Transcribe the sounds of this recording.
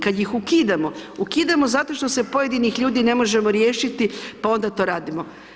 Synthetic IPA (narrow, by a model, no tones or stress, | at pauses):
kad̪jixukiːd̪amoukiːd̪amo̞zat̪o̞ʃt̪ose̞po̞je̞d̪inixʎuːd̪ine̞mo̞ʒe̞mo̞ɾje̞ːʃit̪ipao̞nd̪at̪o̞ːɾaːd̪imo